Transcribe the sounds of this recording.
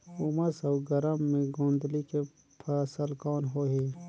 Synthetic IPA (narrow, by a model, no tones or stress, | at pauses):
uməsɐwɡɐɾəmːẽɡõːnd̪like | pʰɐsəlkɑːnɦoːɦeː